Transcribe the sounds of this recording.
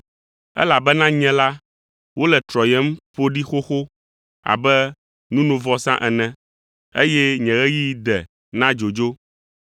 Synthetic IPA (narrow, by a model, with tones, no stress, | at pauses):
ɛ̰˦la˨bɛ˦nã˦ɲɛ̃˦la˦ | wo˦lɛ˨t̪ɾɔ˨jɛ˦m̩˦ɸo˦ɖi˦xo˦xo˦ | a̰˨bɛ˦ | nũ˦nũ˨vɔ˦sã̰˦ʔɛ˨nɛ̃˨ | ḛ˦jɛ˦ɲɛ̃˨ɣɛ˦ji˦d̪ɛ˨ | nã˦d͡ʒo˨d͡ʒo˦